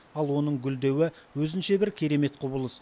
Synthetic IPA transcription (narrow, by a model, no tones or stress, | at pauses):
ɑlˠwo̞nəɴɡʲʏld̪e̞wɪwɵzɪnʃe̞bɪɾkʲʰeɾe̞me̞t̪qʰobəlˠəs